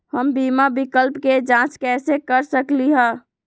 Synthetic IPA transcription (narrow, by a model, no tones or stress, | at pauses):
həmbimabikəlpked͡ʒãt͡ʃkɛsekəɾsəkliɦə̃ː